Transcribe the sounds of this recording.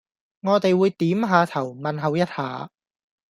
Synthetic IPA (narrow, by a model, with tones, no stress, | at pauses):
ŋɔː˨˧t̪e˨jwuː˨˧jt̪iː˨˥mɦaː˨˧t̪ʰɐ˨˩wmɐ˨nɦɐ˨˧wjɐ˥t̚haː˨˧